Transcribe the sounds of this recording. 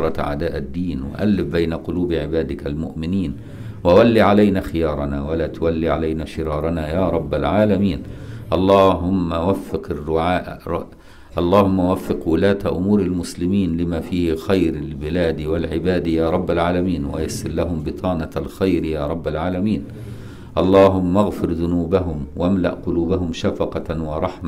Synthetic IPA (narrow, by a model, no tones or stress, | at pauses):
ɾˤɑt̪ʕa̰d̪aːʔad̪ːiːnwa̰ʔalːɪfbajnaqʊluːbʕɪbaːd̪ɪkalmʊʔmɪniːn | wawalːiʕalajnaxɪjɑːɾˤɑnaːwalaːt̪ʊwalːiʕa̰lajnaʃɪɾɑːɾˤɑnaːjaːɾˤɑbːalʕaːlamiːnʔɑlˤːɑːɦʊmːawafːɪqɪrːʊʕaːʔ | ʔɑlˤːɑːhʊmːawafːɪqwʊlaːt̪aʔʊmuːɾalmʊslɪmiːnlɪmaːfiːhɪxajɾalbɪlaːd̪walʕɪbaːd̪jaːɾˤɑbːalʕaːlamiːnwa̰jasːɪɾlaɦʊmbɪt̪ˤʰɑːnɑlxajɾjaːɾˤɑbːalʕaːlamiːn | ʔɑlˤːɑːɦʊmːaɣfɪɾðʊnuːbaɦʊmwaʔamla̰ʔqʊluːbaɦʊmʃafɑqɑwɑɾˤɑħma